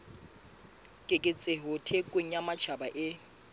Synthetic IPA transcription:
kʼɪkʼɪt͡sʼeɦʊtʰekʼeŋ̩amat͡ʃʰabaʔɪ

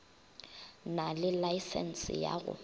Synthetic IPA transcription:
nalɪlaisɛ̰n̩sɪja̰ɣʊ̰

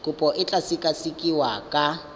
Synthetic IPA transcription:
kʼʊpʼɔʔɪt͡ɬʼasikʼasikʼiwakʼa

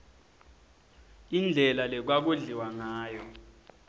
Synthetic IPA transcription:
ind͡ɮʱɛlalɛk̬wak̬uɮiwaŋaːjɔ

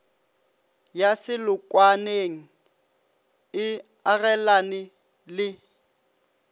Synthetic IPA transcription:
jasɪlʊkʼwaneŋ̩ | ɪ | arɛlanɪ | lɪ

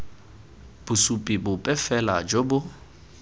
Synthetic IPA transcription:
b̥ʊsupʼibʊpʼɛfɛlad͡ʒobʊ

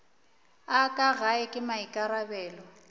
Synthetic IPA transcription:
akʼaɣaɪkʼɪmaikʼaɾabɛːlɔ

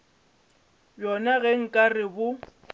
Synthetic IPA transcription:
bjɔnaɣɛŋ̩kʼarɪbʊ

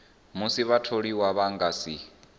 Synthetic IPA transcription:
musiβatʰoɺiwaβaŋɡasi

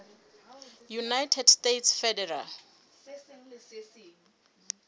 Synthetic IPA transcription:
junajtʰɛdstetʰsfɛdɛra̰l

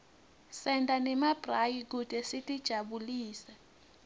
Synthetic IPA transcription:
sɛndʱʼanɛmab̥rajik̬ud̥ʱʼɛsitʼid̥ʒ̥ʱaɓuliːsa

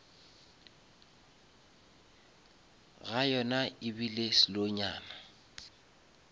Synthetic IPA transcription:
ɣajɔnaɪbilesɪloɲa̰ːna

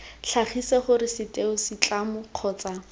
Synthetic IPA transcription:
ɬʰaχisɛχʊɾɪsɪtʼeʊsɪt͡ɬʼamʊq͡χʰɔːt͡sa

